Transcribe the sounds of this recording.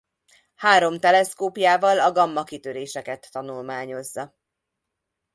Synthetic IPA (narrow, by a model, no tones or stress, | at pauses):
haːɾo̞mt̪ɛlɛskoːpjaːvɒlɒɡɒmːɒkit̪øɾeːʃɛkɛt̪ːɒnulmaːɲo̞zːɒ